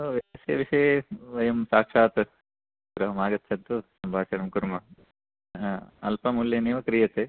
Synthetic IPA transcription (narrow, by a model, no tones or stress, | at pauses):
oʋiɐsɐʋiʂɐjʋɐjɐmsaːkʂaːt̪ɐ | ɡɾɐɦɐmaːɡɐt̪ːt͡ʃʰɐnt̪usɐmbʱaːʂɐɽɐmkuɾmɐ | ɐ̰lpɐmuljɐniːʋɐkɾijɐt̪e